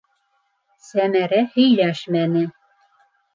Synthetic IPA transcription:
sæmæɾæhɵ̆jlæʃmænɘ̆

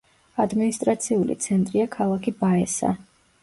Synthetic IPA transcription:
ad̪minist̪ʼɾat̪sʰiulḭt̪sʰɛnt̪ʼɾiakʰalˠakʰibaɛsa̰

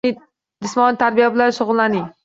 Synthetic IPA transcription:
ɪ | d͡ʒɪsmɒnɪt̪ʰaɾbijabɪlanʃʊʁʊlˠlanɪŋ

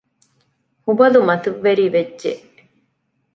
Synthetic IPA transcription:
hubɐlumɐt̪uʋːeɾiːʋedːʒḛʔ

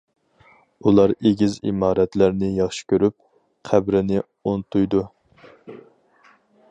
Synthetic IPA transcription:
ulˠɑɾeɡʲizḭmɑːɾɛt̪læɾnɪjɑχʃi̥kʲʰøɾyp̚ | qʰæbɾɪnɪ | ont̪ujd̪u

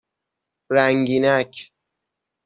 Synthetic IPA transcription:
ɾæŋɟiːnæcʰ

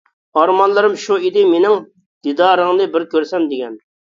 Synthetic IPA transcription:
ɑɾmɑnlˠɨɾɨmʃuid̪ɪmenɪŋ | d̪̥id̪ɑːɾəŋnɨbɪɾkʲʰøɾsɛmd̪ɪɡʲɛn

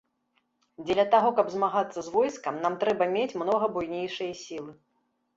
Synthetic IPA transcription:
d͡zʲɛlʲɐt̪aɣɔkɐbzmaɣat̪sːɐzvɔjskɐmnamt̪ɾɛbɐmʲet͡sʲmnɔɣɐbujnʲejʂɐjɐsʲilˠɨ

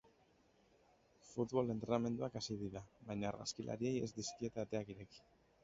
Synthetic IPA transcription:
fut̪βo̞le̞nt̪ɾe̞name̞nd̪uakasiðiðaβajɲaːɾɣa̰skilʔa̰ɾie̞je̞zd̪iskie̞t̪aːt̪e̞akiɾe̞ki̥

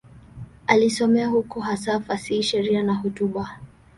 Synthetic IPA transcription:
alisɔmɛahukuɦasafasiːʃɛɾianahutuɓa

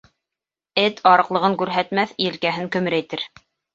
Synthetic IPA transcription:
ɘt̪ʰɑɾɤ̆qlˠɤ̆ʁɤŋkʉɾɦæt̪mæθiɘ̆lkæɦɘŋkɵ̆mɘ̆ɾæjt̪ɘɾ

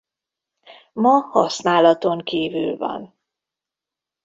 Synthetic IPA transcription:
mɒhɒsnaːlɒt̪o̞ŋkiːvy̰lvɒ̰n

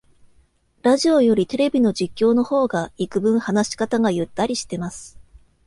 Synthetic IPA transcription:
ɾaʑio̞jo̞ɾʲit̪e̞ɾe̞bʲino̞d͡ʑikʲːo̞ːno̞ho̞ːɡaikɯ̟bɯ̟̃ɰ̃hanaɕi̥kat̪aɡajɯ̟t̪ːaɾʲiɕi̥t̪e̞masɨ̥

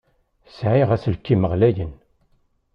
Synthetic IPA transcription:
sʕiʁæslkːiməʁlæjən

